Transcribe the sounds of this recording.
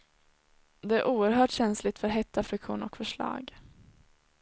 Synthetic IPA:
d̪ɛæɾʔuːəɾɦœːʈɕɛnslɪt̪fœɾɦɛt̪ːafɾɪkɧṵːnɔ̰kfœʂɭɑ̰ːɡ

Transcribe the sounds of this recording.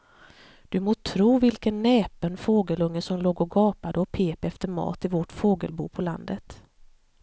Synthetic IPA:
d̪̥ɵmoːt̪ʰɾuːvɪlkənːɛːpənfoːɡəlɵŋːəsɔmloːɡɔɡɑːpad̪əɔpʰeːpɛft̪əɾmɑ̰ːt̪ɪvɔʈfoːɡə̰lbṵːpʰɔla̰nd̪ət̪

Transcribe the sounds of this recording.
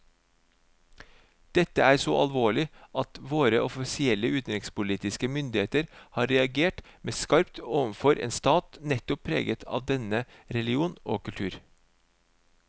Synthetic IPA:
d̪̥ɛt̪əæːɾsoːʔɑ̰lʋoːɭɪʔɑt̪ʋoːɾəʔɔfɪsɪɛləʉːt̪n̩ɪŋspʊliːt̪ɪskəmʏnd̪ɪheːt̪əɾhɑːɾɛɑɡeːʈmeːskɑɾpt̪oːʋənfɔɾʔḛːnst̪ɑːt̪nɛt̪ʊpʰːɾḛːɡət̪ʰɑ̰ːʋd̪ɛnəɾɛlɪuːno̰ːkʉlt̪ʰʉːɾ

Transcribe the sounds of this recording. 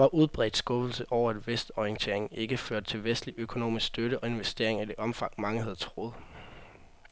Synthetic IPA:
ʋɑ̈ʔuð̞ˠb̥ʁɛ̰ːd̥sɡ̥ɔ̽bl̩səʔɒʊ̰ɐæd̥ʋesd̥ɒiənt͡sʰe̝̰ɐeŋe̝ɡ̥əføɐ̰d̥̚t͡sʰe̝lʋesd̥liʔøkʰo̝no̝̰ːmisɡ̥sd̥øɾəʔɒ̽e̝nʋesd̥e̝̰ɐe̝ŋæd̥e̝ʔɒ̽mfɑ̈ŋ̰mɑ̈ŋəhæð̞̩ˠt͡sʰʁoð̩ˠ

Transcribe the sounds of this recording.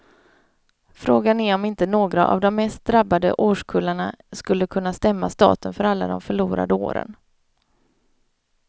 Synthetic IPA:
fɾoːɡanæɾɔmɪnt̪ənoːɡɾa̰ʔa̰vd̪ɔmːɛst̪̚d̪ɾabːad̪ə̰ʔoːʂkʰɵlːaɳaskɵlːəkʰɵnːast̪ɛmːast̪ɑ̰ːt̪ənfœɾalːa̰d̪ɔmfœɭuːɾa̰d̪əo̰ːɾə̰n

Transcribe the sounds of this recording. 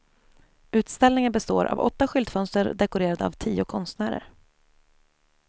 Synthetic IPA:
ʉ̟ːt̪st̪ɛlnɪŋənbɛst̪o̰ːɾʔa̰vɔ̰t̪ːaɧʏld̪fœnst̪əɾd̪ɛkʊɾeːɾad̪əa̰vt̪ʰiːʊkʰɔnst̪næːɾə̰ɾ

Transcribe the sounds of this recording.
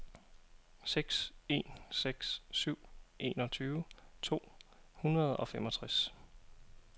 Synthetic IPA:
seɡ̥se̝̰nseɡ̥ssyʊ̰ʔe̝̰ːnɒ̽t͡sʰyːʊət͡sʰo̝̰ː | hunʁɐð̞̩ˠɒ̽femɒ̽t͡sʰʁas

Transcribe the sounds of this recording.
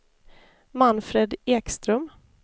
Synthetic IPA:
manfɾeːd̪eːkst̪ɾœm

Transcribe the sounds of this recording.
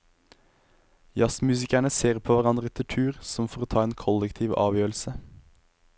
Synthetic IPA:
jɑsmʉːsɪkæɳəseːʁpʰoːʋæʁɑnd̪ʁəɛt̪ʰəʈ̪ʰʉːʁsɔmfɔʁoːt̪ʰɑːeːnkʰɔlɛkt̪ʰiːʋɑ̰ːʋjøːl̩sə

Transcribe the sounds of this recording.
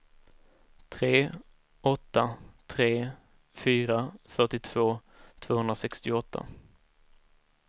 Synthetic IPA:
t̪ʰɾeː | ɔt̪ːat̪ʰɾeː | fyːɾafœʈɪt̪ʰv̥oː | t̪ʰv̥oːhɵnɾasɛkst̪ɪɔt̪ʰːa̰

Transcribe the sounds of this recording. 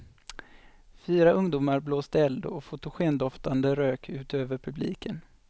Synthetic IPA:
fyːɾaʔɵŋd̪uːmaɾbloːst̪əɛld̪ɔɔfʊt̪ʊɧeːnd̪ɔft̪and̪əɾøːkʰʉ̟ːt̪øːvəɾpʰɵblḭːkʰən

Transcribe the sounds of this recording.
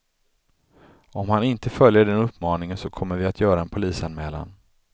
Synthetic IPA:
ɔmhanɪnt̪əfœljəɖɛnɵpːmɑːnɪŋənsɔkʰɔmːəɾvɪat̪ʰjœːɾaɛnpʰʊliːsanmɛːla̰n

